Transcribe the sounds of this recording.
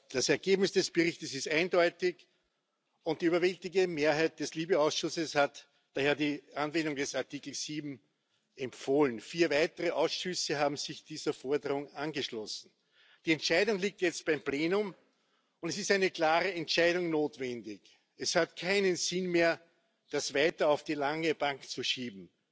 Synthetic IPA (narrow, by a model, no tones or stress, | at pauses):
d̥asɛɐɡeːbnɪsd̥ɛsb̥əʁɪçtəsɪstæɪndɔʏtɪç | ʊ̃nt̚d̥iyːbɐvɛltɪɡəmeːɐɦæɪt̚d̥ɛsliːbəaʊsʃʊsəshat | d̥aheːɐdiːʔanvɛndʊŋdɛsaɐtiːkl̩siːbm̩ | ɛmfoːlənfiːɐvæɪtəʁəʔaʊsʃʏsəɦaːbm̩zɪçd̥iːzɐfɔɐdəʁʊŋanɡəʃlɔsn̩ | d̥iːɛntʃæɪdʊŋliːk̚tjɛt͡st̚b̥æɪmpleːnʊm | ʊntɛsɪstæɪnəklaːʁəɛntʃæɪɾʊŋnoːtvɛndɪç | ɛshatkʰaɪnənzɪnmeːɐ | d̥asvaɪtɐɑʊfd̥iːlaŋəb̥aŋkt͡suʃiːbm̩